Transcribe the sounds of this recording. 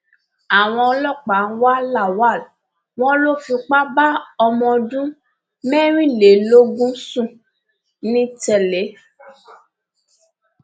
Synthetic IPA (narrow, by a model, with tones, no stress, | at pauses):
a˨w̃ɔ̃˧ɔ˧lɔ˦˨k͡pa˨˦n̩˦wa˦la˦˨wa˦˨l | w̃ɔ̃˦lo˦˨fĩ˧k͡pa˦ba˦ɔ˧mɔ̃˧dũ˦ | mɛ̃˦ɾ̃ĩ˦˨le˨lo˦ɡũ˦sũ˦˨ | nĩ˦tɛ˧˨le˨˦